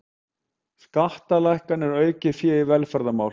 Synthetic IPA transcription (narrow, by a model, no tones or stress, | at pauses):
skaht̪alajhkanɛɾœːɥcɪfjɛːivɛlfɛɾðamaːwl